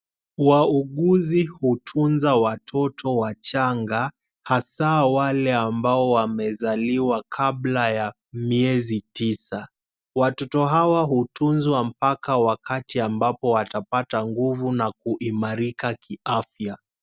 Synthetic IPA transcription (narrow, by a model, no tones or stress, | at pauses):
wauɠuzihutʰunzawatʰɔtʰɔwat͡ʃaŋɡa | hasawalɛambaɔwamɛzaliwakʰablaja | miɛzitisa | watɔtɔɦawaɦutunzwam̩pakawakatiambapɔwatapataŋɡuvunak̚uʔimaɾikakiafja